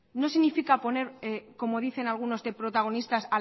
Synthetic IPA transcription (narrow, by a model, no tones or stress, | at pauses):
no̞siɣnifikapo̞ne̞ɾeko̞mo̞ð̞iθe̞nalɣuno̞zd̪epɾo̞t̪aɣ̞o̞nist̪asa